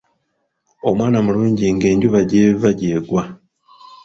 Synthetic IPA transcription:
o̞mwaːnamuluːɲɟiŋɡe̞ːɲɟuβaɟeːvaɟeːɡwa

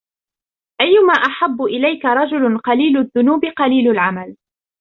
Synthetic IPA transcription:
ʔajːʊmaːʔaħabːʊʔɪlajkaɾˤɑd͡ʒʊlʊnqɑliːlʊðːʊnuːbɪqɑliːlʊlʕamal

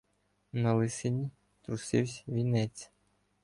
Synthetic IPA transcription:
nɐlˠɪsenʲi | t̪ɾʊsɪwsʲʋʲinɛt͡sʲ

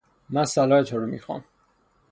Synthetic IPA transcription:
mænsælɒːet̪ʰɒɾumḭxɒ̰m

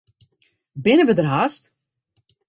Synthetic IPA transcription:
bɪnəʋədərɦast

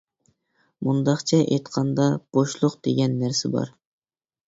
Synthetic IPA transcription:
mund̪ɑχt͡ʃʰɛʔḛjt̪qʰɑnd̪ɑb̥oʃlˠʊqd̪̥eɡʲɛnːæɾsɪbɑ̰ɾ

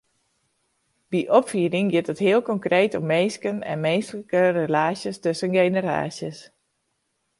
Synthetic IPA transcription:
b̥iʔɔpfiːədɪŋɡɪtətɦɪəlˠkɔŋkreːtɔmːeːskənɛ̰nmeːstləkərəlaːsjəstøsənɡejnəra̰ːsjəs

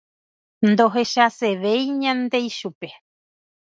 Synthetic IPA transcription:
nd̪oɦeʃaseʋejɲãnd̪e̞jʃupe

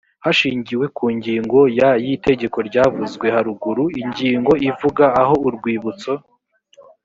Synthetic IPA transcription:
haʃiːɲɟiwe̞kʰuːɲɟiːŋɡo̞jajite̞ɟe̞ko̞ɾɟaːvuzɡwe̞haɾuɡuɾuiɲɟiːŋɡo̞ivuɡaːho̞uɾɡwiːβut͡so̞

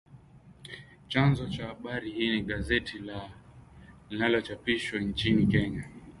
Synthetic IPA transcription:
t͡ʃanzɔt͡ʃahaɓaɾihiːniɠazɛtʰila | inalɔt͡ʃapiʃwɔnt͡ʃinikɛɲa

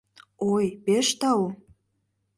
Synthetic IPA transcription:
ojpeʃt̪ɑwu

